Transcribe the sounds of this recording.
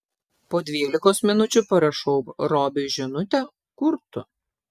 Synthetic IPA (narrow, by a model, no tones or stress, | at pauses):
poːd̪ʲʋʲiːlʲɪkoːsmʲɪnʊt͡ʃʲʊpɐɾɐʃɔʊpɾoːbʲɪʒʲɪnʊt̪ʲɛ | kʊɾt̪ʊ